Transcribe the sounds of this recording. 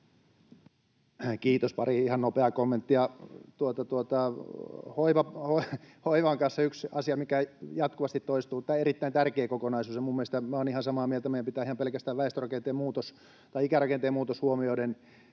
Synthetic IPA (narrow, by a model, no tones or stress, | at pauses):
kiːt̪ospɑriihɑnnopeɑkomːent̪ːijɑt̪uot̪ɑt̪uot̪ɑ | hoiʋɑhohoiʋɑŋkɑnseyksɑsiɑmikæjɑt̪kuʋɑst̪it̪toist̪uːt̪ːæːerit̪ːæint̪ærkeːkokonɑisuːsjɑmumːielest̪æmæoːnihɑnsɑmɑːmielt̪æmeijæmpit̪æːihɑmpelkæst̪æːʋʋæest̪orɑkent̪eːmmuːt̪os | t̪ɑiikærɑkent̪eːmuːt̪oshuomioiden